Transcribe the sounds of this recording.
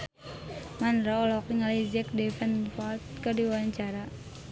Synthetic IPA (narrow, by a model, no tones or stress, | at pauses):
manɾaɔlɔkiŋalid͡ʒɛk̚dɛfɛnfat̪̚kadiwaɲt͡ʃaɾa